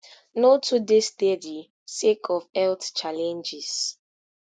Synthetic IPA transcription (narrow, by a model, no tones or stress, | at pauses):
notʰudistedi | sekʰɔvɛltt͡ʃalɛ̃nd͡ʒis